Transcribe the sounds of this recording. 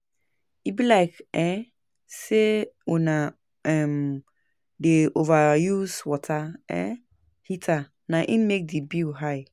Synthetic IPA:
ibilaɪkɛ̃ | seɔnã | ɛ̃m | deʔovajuswɔtʰaɛ̰̃ | hitʰa | nãʔĩnmek̚dibiɦaɪ

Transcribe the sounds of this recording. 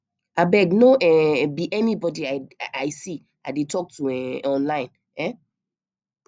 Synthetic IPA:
abɛɡnoʔɛbiʔɛnibɔdiaaɪsi | adetɔk̚tuɛ̃ɔ̃nlãɪ̃n | ɛ̃

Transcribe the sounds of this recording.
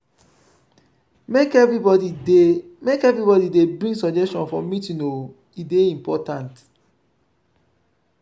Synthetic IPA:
mekɛvibɔdiemekɛvɹibɔdidebɹĩŋɡsɔd͡ʒɛstɔ̃nfɔmituno | ideĩmpɔtãnt

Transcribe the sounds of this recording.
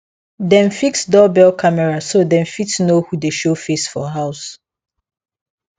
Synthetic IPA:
dɛ̃nfiksdɔbɛlkʰamɛɹasodɛ̃nfitsnohudeʃofesfɔɦaʊs

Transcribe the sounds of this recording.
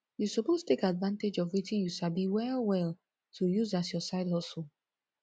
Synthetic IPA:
jusɔpostʰekadvãnted͡ʒɔvwitĩnjusabiwɛlwɛl | tʰujuzasjɔsaɪdhɔs

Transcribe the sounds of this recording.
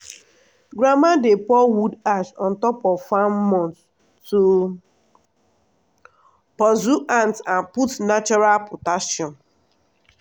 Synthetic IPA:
ɡɾamadepɔwudaʃɔ̃ntɔpɔvfamɔ̃nt | tu | pɔzuʔãntãnputnat͡ʃɔɾalpotaʃjɔ̃n

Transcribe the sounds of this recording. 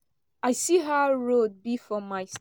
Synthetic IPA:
aɪsiɦaɹod̚bifɹɔmːaɪs

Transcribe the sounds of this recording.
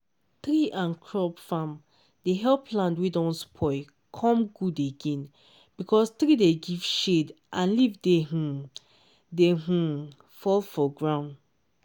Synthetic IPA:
tɹiʔãnkʰɹɔpfãm | deɦɛlpʰlãndwidɔ̃nspʰɔɪ | kʰɔ̃mɡudeɡẽn | b̥ikʰɔst̪ɹideɡiv̥ʃedʔãnlivdeɦũ | deɦũ | fɔlfɔɡɹãʊ̃nd

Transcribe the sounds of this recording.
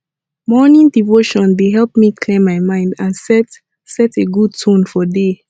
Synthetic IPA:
mɔnĩŋdivoʃɔ̃ndeɦɛlpmikʰlẽmːaɪmãɪ̃ndãnsɛt | sɛteɡud̚tʰũnfɔde

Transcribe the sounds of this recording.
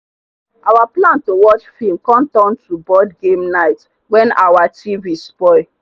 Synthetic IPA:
ʔawaplãntowɔt͡ʃfilmkɔ̃mtɔ̃ntɹubɔdɡemnaɪt | wɛ̃na̰wativispɔɪ

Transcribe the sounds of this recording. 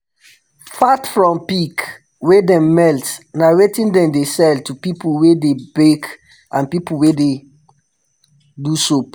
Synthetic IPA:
fatfɹɔ̃mpik | wedɛ̃mːɛltnawetĩndɛ̃mdesɛltupipulwedebek | ãnpipul̩wede | duso

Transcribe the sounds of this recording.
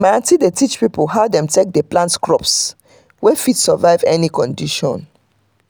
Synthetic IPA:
maãntidetit͡ʃpipolɦaʊdɛ̃mtʰek̚dəplãntkɹɔps | wɛfidsəvaɪvɛnikɔ̃ndiʃɔ̰̃n

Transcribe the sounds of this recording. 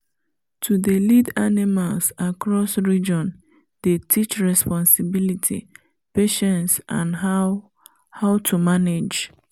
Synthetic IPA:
tʰudelidanimalsakɹɔsɹid͡ʒɔ̃n | d̥etʰit͡ʃɹɛspɔ̃nsibilitʰḭ | peʃɛ̃nsʔã̰nɦ | haʊtʰumaned͡ʒ

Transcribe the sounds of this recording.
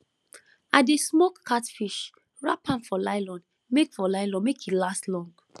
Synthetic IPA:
adesmɔkːʰatfiʃ | ɹa̰pʰãnfɔlaɪlɔ̃n | mekfɔlaɪlɔ̃nmekʰitlastlɔ̃ŋɡ

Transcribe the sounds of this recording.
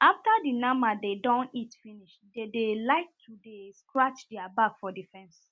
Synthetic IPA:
ʔaftadinãmbadedɔ̃nitfiniʃdedelaɪk̚tʰudeskɹat͡ʃdiabakfɔdifɛ̃ns

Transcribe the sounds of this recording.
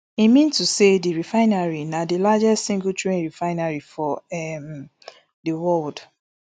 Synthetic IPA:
imĩntusediɹifãɪ̃naɹinadilad͡ʒɛstsĩŋɡutɹẽnɹifaɪ̃naɹifɔɛm | dəwɔld

